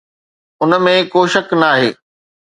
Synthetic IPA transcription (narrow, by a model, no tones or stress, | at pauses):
ʊnəmẽkoːʃɐknaaːɦḛː